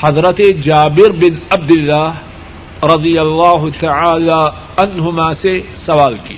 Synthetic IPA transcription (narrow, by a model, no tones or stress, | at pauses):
ħɑðˤɾˤɑt̪id͡ʒaːbɪɾbɪnʔab̚d̪ɪlːaːh | ɾˤɑd̪ˤɨjalˤːaːɦt̪aʕaːla | ʕanhʊmaːse | sawaːlki